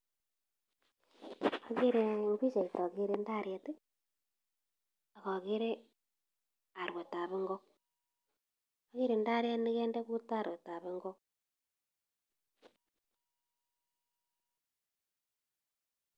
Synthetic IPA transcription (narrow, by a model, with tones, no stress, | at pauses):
a˨ɣe˦ɾe˨ŋɡi˦t͡ʃe˨i˨tɔ˨ɣe˦ɾe˦nda˦ɾje˨˦te˦ | a˨ɣɔ˨ɣe˦ɾe˦ | a˨ɾwe˨ta˨βe˦ŋɡo˦k | a˦ɣe˦ɾe˨nda˦ɾje˦ni˦ɣe˦nde˦ku˦ta˦˨ɾwe˨ta˨βe˦ŋɡɔ˦k̚